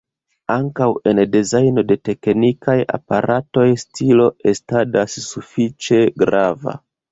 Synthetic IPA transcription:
aŋkawe̞ndezajno̞de̞te̞knikʰaja̰paɾʔato̞jstʰilo̞e̞stadasːufit͡ʃe̞ɡɾava̰

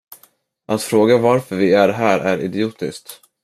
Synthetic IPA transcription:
ʔat̪fɾoːɡavaɾfœɾvɪæɾɦæːɾʔæ̰ɾɪ̰d̪ɪuːt̪ɪskt̪

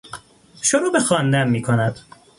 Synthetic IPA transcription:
ʃoɾuːbexɒːnd̪æmmiːkʰonæd̪̥

